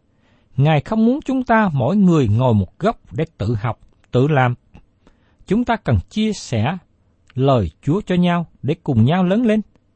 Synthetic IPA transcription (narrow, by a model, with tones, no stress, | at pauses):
ŋaː˨˩jxə˧wŋ͡mmu˨˦ənt͡ɕʊ˨˦ŋ͡mt̪aː˧mɔ̰˧˨jŋɨ˨˩əjŋɔ˨˩jmo˨˩t̚ɣə˦˥wp̚ɗḛ˧˩t̪ɨ̰˧˨ɦa˨˩wk͡p̚ | t̪ɨ̰˧˨laː˨˩m | t͡ɕʊ˨˦ŋ͡mt̪aː˧kə˨˩nt͡ɕi˧əsɛ̰˧˩˥ | ləː˨˩jt͡ɕu˨˦ət͡ɕɔ˧ɲaː˧wɗe˧˩kʊ˨˩ŋ͡mɲaː˧wləː˨˦nle˧n